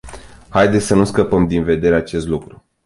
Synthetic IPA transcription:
hajd̪esʲsənuskəpəmd̪inve̞d̪e̞ɾeat͡ʃe̞st̪lukɾu

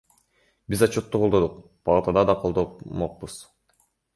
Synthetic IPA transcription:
bizɑt͡ʃot̪ːuqʰolˠd̪od̪uq | pɑlˠɑt̪ɑd̪ɑd̪ɑqʰolˠd̪omoq̚buz̥

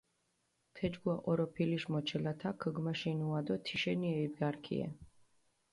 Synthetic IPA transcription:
t̪ʰɛd͡ʒɡwaʔʼɔɾɔpʰiliʃmɔt͡ʃʰɛlat̪ʰakʰəɡmaʃinuad̪ɔt̪ʰiʃɛniɛibɡaɾkʰḭɛ̰

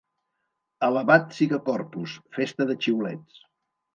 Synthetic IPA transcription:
ələβat̪siɣəkɔrpusfest̪əðət͡ʃiulɛtt͡s

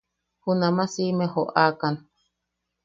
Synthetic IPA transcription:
hunamasimehoʔakan

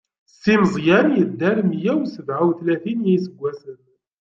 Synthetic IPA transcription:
simzˤjænjəd̪ːæɾmjæwsəvʕawθlæθinjisəɡʷːæsən

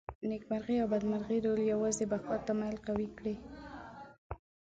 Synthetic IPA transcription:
nekmaɾɣeawbad̪maɾɣeɾoljawɑzebakɑt̪ːamalqawikɽe

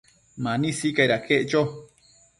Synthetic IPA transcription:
mãnĩsikajɾakʰeʔt͡ʃo

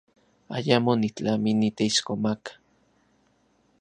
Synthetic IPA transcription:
a̰jamonit͡ɬaminit̪eiʃkomakḁ

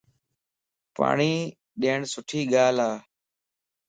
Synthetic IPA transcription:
pa̰ːɳiː | ɗeːɳsʊʈʰiːɠaːlaː

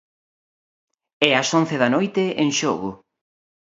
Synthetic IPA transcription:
ɛɐson̟θeðɐnojt̪ɪʔeŋʃoɣʊ̰

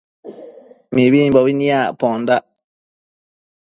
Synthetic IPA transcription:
miwibɔwiniapɔ̃nda

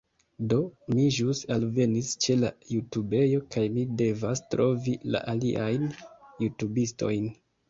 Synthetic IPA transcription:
do̞miʒusalve̞nist͡ʃe̞lajutube̞jo̞kajmide̞vastɾo̞vila̰ʔaliʔajnjutubisto̞jn

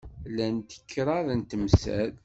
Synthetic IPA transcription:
lænt̪ə̥kʰːɾˤɑðənt̪əmsæ̰ð

